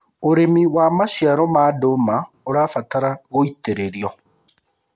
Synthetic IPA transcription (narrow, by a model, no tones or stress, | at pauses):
oɾemiwamaʃjaɾɔmaːdoma | oɾafataɾaɣoiteɾeɾjɔ